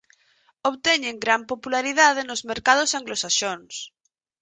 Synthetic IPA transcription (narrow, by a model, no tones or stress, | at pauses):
oβt̪eɲeŋɡɾampopulaɾið̞að̞enozmeɾkað̞osaŋɡlosaʃons